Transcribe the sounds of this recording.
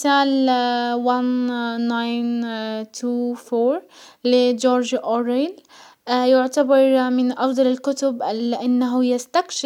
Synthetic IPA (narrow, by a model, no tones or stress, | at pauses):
saːlwanːajnt̪ʰuːfoːɾlɪd͡ʒoːɾd͡ʒʔoɾjljʊʕt̪abɑɾˤmɪnʔɑfd̪ˤɑlɪlkʊt̪ʊbʔalːɪʔanːaɦʊjɪst̪akʃɪ